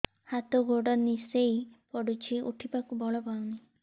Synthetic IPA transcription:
hat̪ɔɡʱoɖɔnisejpɔɽut͡ʃʰiṵʈʰipakubɔɭɔpawni

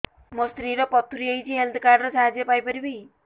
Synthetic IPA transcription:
mʌst̪ɾiɾʌpʌt̪ʰːuɾiʌjt͡siɦelt̪ʰkaɖɾʌsʰaɦad͡zijepajpʌɾibʌj

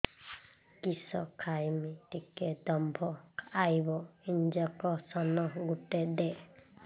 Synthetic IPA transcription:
kisɔkʰajmit̪iked̪ɔmbʱɔkʰajbɔiɲd͡ʒakɔsɔnɔɡuʈɛd̪ɛ

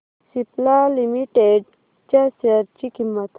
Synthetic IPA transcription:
siplalimiʈeɖ̚ | t͡ʃasəɾt͡ʃikimːət̪ʰ

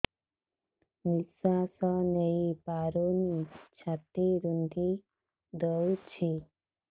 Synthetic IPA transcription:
nisasəneipaɾonit͡ɕʰat̪iɾund̪i | d̪ət͡ʃʰi

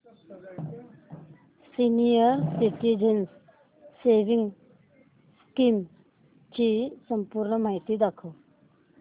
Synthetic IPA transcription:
sinijəɾsiʈid͡ʒənsː | ebiŋ | skim | t͡ʃisəmpuɾnəmajt̪id̪akʰu

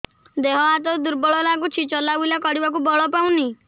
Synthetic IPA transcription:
d̪eɦɔat̪ɔd̪uɾbɔɭɔlakut͡ʃʰit͡ʃɔlabulakɔɽibak̬ubɔɭɔpaw̃ni

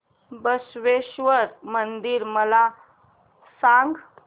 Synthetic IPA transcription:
bəsʋeɕʋəɾmənd̪iːɾməla | sãŋɡ

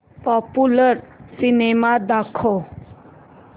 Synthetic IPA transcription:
pɔpuləɾsinemad̪akʰo

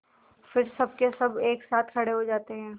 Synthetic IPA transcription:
fɪɾsɐb̚kesɐbeːksaːt̪ʰkʰɐɽeɦod͡ʒaːt̪eɦɛ̃ː

